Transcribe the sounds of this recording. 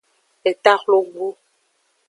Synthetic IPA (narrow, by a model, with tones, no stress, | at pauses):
ɛ˨t̪a˦xlo˦ɡu˦